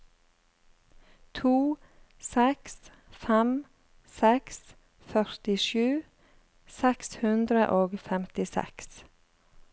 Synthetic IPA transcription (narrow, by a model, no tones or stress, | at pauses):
t̪ʰuː | sɛks | fɛm | sɛks | fœɾt̪ɪʃʉː | sɛkshʉnd̪ɾəʔoːɡfɛmt̪ɪsɛ̰ks